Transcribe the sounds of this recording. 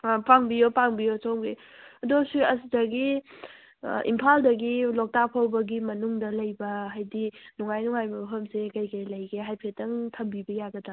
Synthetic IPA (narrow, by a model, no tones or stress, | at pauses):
paŋbijopaŋbijosowŋɡe | ɐdosuɐsdɐɡi | ḭmpʰaldɐɡilok̚tapʰawbɐɡimɐnuŋdɐlɐjbɐɦajdinuŋajnuŋajbɐpʰɐmsekɐjkɐjlɐjɡeɦajpʰetːɐŋtʰɐmbibɐjaɡɐda